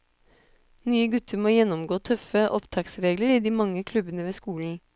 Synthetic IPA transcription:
nyːəɡʉt̪ʰəɾmoːjɛnːɔmɡoːt̪ʰœfəʔɔpt̪ʰɑːksɾeːɡləɾiːd̪iːmɑŋːəkʰlʉbənəʋeːskuːln̩

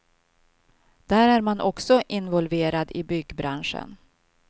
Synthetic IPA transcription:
d̪̥æːɾæɾmanʔɔksɔʔɪnvɔlveːɾad̪ɪbʏɡbɾanʂə̰n

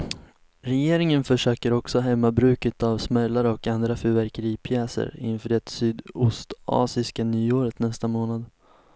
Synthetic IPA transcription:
ɾɛjeːɾɪŋənfœʂøːkəɾɔksɔɦɛmːabɾʉ̟ːkət̪avsmɛlːaɾəɔkand̪ɾafœvæɾkəɾiːpʰjɛːsə̰ɾɪ̰nfœːɖɛt̪syːd̪ʊst̪ɑ̰ːsɪskanyːoːɾət̪nɛst̪amoːnad̪

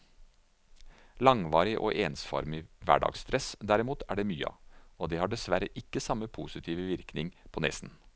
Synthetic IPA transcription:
lɑŋʋɑːɾɪʔo̰ːʔeːnsfɔ̰ɾmɪʋæ̰ɖɑ̰ːɡst̪ʰɾɛsd̪æɾɪmuːt̪ʰæ̰ɖɛmyːəɑ̰od̪ɛhɑɖɛsʋæɾəʔɪkːəsɑməpʰuːsɪt̪ʰiːʋəʋɪɾknɪŋpʰɔnɛ̰sn

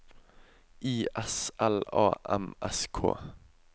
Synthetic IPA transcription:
ʔiːʔɛsʔɛlɑ̰ːʔɛmʔɛskʰo̰ː

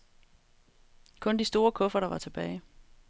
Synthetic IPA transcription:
kʰɔ̽nd̥isd̥o̝ːɐkʰɔ̽fɐɾɑ̈ʋɑ̈t͡sʰe̝b̥ɛːɪ

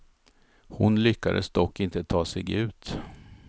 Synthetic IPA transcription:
hʊnlʏkːad̪ə̰sd̪ɔkːɪnt̪ət̪ʰɑːsɛɡʉ̟ːt̪

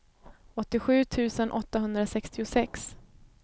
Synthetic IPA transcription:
ɔt̪ːɪɧʉ̟ːt̪ʰʉ̟ːsənʔɔt̪ːaɦɵnd̪ɾasɛkst̪ɪʊsɛks

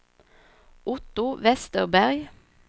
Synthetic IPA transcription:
ʔʊt̪ʊʋɛst̪əʁbæʁɡ

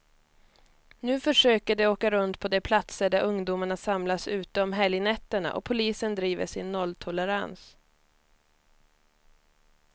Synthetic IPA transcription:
nʉ̟ːfœʂøːkəɖɛoːkaɾɵnt̪pʰɔd̪ɛpʰlat̪səɖæɾʔɵŋd̪uːmaɳasamlasʉ̟ːt̪əɔmɦɛljnɛt̪ːəɳa̰ʔɔ̰pʰʊliːsənd̪ɾiːvə̰ʂɪnːɔlːt̪ʰɔləɾa̰ns

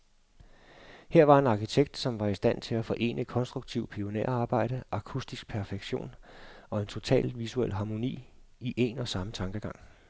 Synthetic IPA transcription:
heɐ̰ʋɑ̈e̝nɑ̈kʰit͡sʰeɡ̥̚d̥sɒ̽mʋɑ̈isd̥æn̰t͡sʰe̝læfɒ̽ʔe̝̰ːnʔəkʰɒ̽nsd̥ʁuɡ̥t͡sʰiʊpʰio̝nḛɐ̰ɑ̈ːb̥ɑ̈ɪ̰ɾ̥əʔɑ̈kʰusd̥isɡ̥̚pʰæɐfeɡ̥ɕo̝̰ːnɒ̽e̝nt͡sʰo̝t͡sʰɛ̰ːlʋisuel̰ɦɑ̈mo̝nḭːiʔe̝nɒ̽sɑ̈mət͡sʰɑ̈ŋɡ̥əɡ̥ɑ̈ŋ̰

